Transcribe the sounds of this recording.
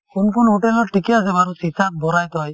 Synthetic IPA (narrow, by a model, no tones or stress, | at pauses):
kunkʰunɦoʈɛlɔɾʈʰikɛas̬ɛbaɾusisat̚bɔɾajt̪ɔj